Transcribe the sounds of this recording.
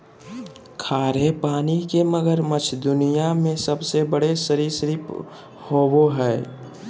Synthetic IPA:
kʰaːɾepaːnikeməɡəɾmət͡ʃʰd̪ʊnijamẽsəbsebəɽesəɾiːɾsɾip | hoboɦɛː

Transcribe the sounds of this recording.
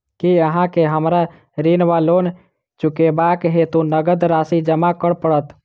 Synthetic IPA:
kiəɦãkeɦəmɾa | ɾinʋalon | t͡ʃukebakɦet̪unəɡəd̪ɾasid͡ʒəmakəɽpəɽət̪

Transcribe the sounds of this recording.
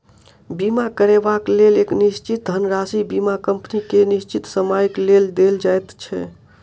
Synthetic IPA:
bimakəɾebakleleknist͡ʃit̪̚ənɾasibimakəmpnikenist͡ʃit̪səmajkleld̪eld͡ʒajt̪t͡ʃʰɛ̰

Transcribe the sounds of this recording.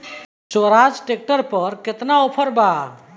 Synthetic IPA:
t͡ʃoɾad͡ʒʈek̚ʈəɾpəɾkɪt̪naopʰəɾba

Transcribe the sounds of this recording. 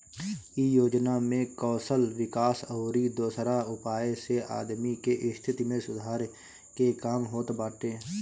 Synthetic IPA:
ijoːd͡ʒnamẽkɔːsəlʋɪkaːsəʊɾid̪oːsɾaʊpaːeseʔa̰ːd̪mikeʔɪst̪ʰɪt̪imẽsʊd̪ʱaːɾ | kekaːmɦoːt̪baːʈeː

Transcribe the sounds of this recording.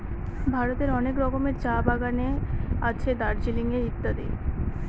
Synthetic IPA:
bʱaɾot̪eɾɔnekɾɔkomeɾd͡ʑabaɡaneat͡ɕʰed̪aɾd͡ʑiliŋeɾit̪ːad̪i

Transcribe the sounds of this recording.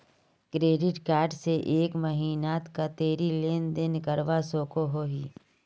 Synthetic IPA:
kɾeːɖɪʈkaːɾɖseʔeːkmɐɦiːnaːt̪kat̪eːɾileːnd̪ɪnkəɾʋasoːkoɦoːɦiː

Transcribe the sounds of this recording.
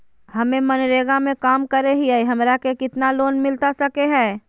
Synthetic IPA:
hɐmẽmɐnɾeːɡamẽkaːmkəɾeɦiaiɦɐmɾakekɪt̪naloːnmɪlt̪asɐkeɦɛ̃ː

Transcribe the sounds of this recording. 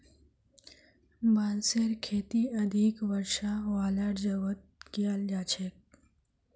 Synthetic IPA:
baːnseɾkʰeːt̪iɐd̪ʱikʋəɾʃaʋaːləɽd͡ʒəʋət̪̚kijald͡ʒaːt͡ʃʰek̚

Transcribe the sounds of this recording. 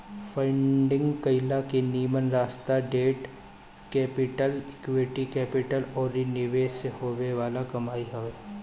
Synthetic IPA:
fɐ̃ɪɳɖɪ̃ŋɡkɐɪlakiniːmənɾaːst̪aɖeːʈ | kɛːpɪʈəlkʋeʈikɛːpɪʈəlɔːɾːinɪʋeːsehoːʋeʋaːlakɐmaːiɦoʋeː

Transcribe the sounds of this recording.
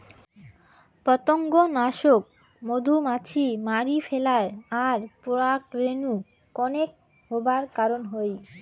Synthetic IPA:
pɾɔt̪oŋɡonaʃok̚ | mod̪ʱumat͡ɕʰimaɾifelaɾaɾpoɾakɾenu | kɔnek̚ | ɦobaɾkaɾonɦoj

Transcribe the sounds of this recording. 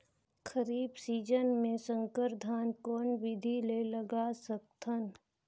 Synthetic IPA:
kʰəɾiːbsiːd͡ʒənmẽsə̃ŋkəɾd̪ʱaːnkɔːnʋɪd̪ʱileləɡasək̚t̪ʰən

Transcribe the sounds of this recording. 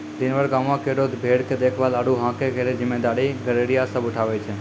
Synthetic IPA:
d̪inʋəɾɡamãkeɽot̪bʱeɽked̪ekʰʋalaɽũɦãkeɡʱeɾed͡ʒɪmːed̪aɽiɡəɾeɽiasəbuʈʰaʋet͡ʃʰe

